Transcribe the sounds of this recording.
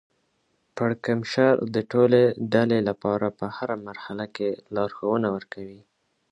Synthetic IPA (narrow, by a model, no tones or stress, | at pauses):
paɽkamʃaɾd̪əʈoleɖalelapɑɾapəhaɾamaɾhalakelɑɾxawənawəɾkawi